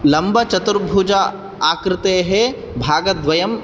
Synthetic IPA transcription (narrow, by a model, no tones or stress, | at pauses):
lɐmbɐt͡ʃɐt̪uɾbʱuːd͡ʒa | aːkɾɪt̪eɦɛ | bʱaːɡɐd̪ʋɐjɐm